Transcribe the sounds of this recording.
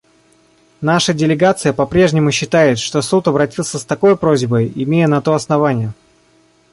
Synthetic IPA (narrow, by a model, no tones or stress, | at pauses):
naʂədʲɪlʲɪɡat̪sɨjəpɐpɾʲe̞ʐnʲɪmʊɕːɪt̪ajɪt̪ʂt̪o̞sut̪ɐbɾɐtʲilˠsʲəst̪ɐko̞jpɾo̞zʲbəjɪmʲejənɐt̪oɐsnɐvanʲɪjə